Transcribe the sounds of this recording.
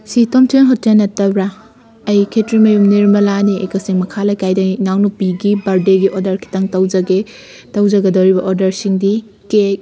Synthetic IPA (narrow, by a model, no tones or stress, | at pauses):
sitomtʰenɦɔt̚ːenːɐtɐbɾa | ɐjkʰetɾimɐjumniɾmɐlaniejkɐsiŋmɐkʰalakajdɐnawnupiɡibaɾdeɡiʔodɐɾkʰi̥taŋtɐwd͡ʒɐɡe | tɐwzɐɡɐdɐwɾibɐʔoɾdɐɾsiŋdi | kek̚